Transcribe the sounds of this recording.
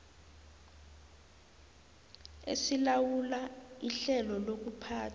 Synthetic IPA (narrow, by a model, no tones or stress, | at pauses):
ḛsilawulaiɬɛlɔlok̬upʰaːtʰ